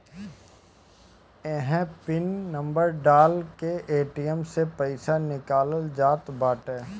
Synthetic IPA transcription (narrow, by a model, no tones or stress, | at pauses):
ɛɦɛ̃pɪnːɐ̃mbəɾɖaːlkeʔeːʈijəmsepəɪsanɪkaːləld͡ʒaːt̪baːʈɛː